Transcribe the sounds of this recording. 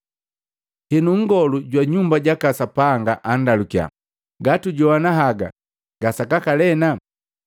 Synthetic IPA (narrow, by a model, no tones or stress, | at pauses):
hɛnuŋ̩ɡɔluɟwaɲumbaɟakasapaŋɡaʔandalukia̰ | ɡatuɟɔwanaɦaɡa̰ | ɡasakakalɛna